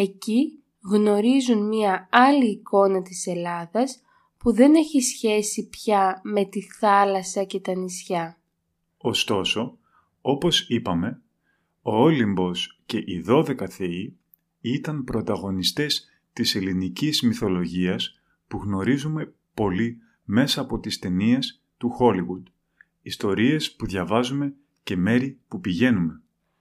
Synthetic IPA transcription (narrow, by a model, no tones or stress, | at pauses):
e̞ci | ɣno̞ɾizunmɐɐliːko̞nɐt̪ise̞lɐðɐs | puðe̞ne̞çisçe̞sipçɐme̞t̪iθɐlɐsɐce̞t̪ɐnisçɐ | o̞st̪o̞so̞ | o̞po̞sipɐme̞ | oolimbo̞sce̞ʔiðo̞ðe̞kɐθe̞i | it̪ɐmpɾo̞t̪ɐɣo̞nist̪e̞s | t̪ise̞linicizmiθo̞lo̞ʝiɐs | puɣno̞ɾizume̞ | po̞li | me̞sɐːpo̞t̪ist̪e̞nies | t̪uxo̞liɣud̪ | ist̪o̞ɾie̞spuðʝɐvɐzume̞ | ce̞me̞ɾipupiʝe̞nume̞